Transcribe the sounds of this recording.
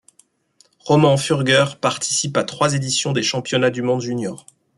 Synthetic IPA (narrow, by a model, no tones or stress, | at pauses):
ʁɔmɑ̃fyʁɡœʁpaʁt̪ʰi̥sipat̪χwazed̪isjɔ̃d̪eʃɑ̃pjɔnad̪ymɔ̃d̪ʒynjɔːʁ